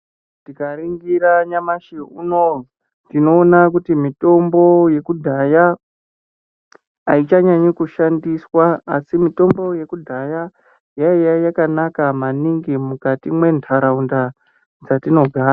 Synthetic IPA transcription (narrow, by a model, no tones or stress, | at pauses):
tikaɾiŋɡiɾaɲamaʃeuno | dino̞ːnak̬utimito̞mbo̞je̞kudʱaja | it͡ʃaɲaɲikuʃandiswaasimito̞mbo̞je̞kudʱaja | jaijajakanakamaniŋɡimukatimwe̞ntʰaɾaunda | d͡zatino̞ɡʱaːa